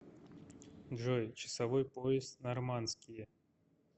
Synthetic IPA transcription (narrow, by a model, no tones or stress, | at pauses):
d̪ʐojt͡ɕɪ̥sɐvojpoɪst̪nɐrmanskʲɪjə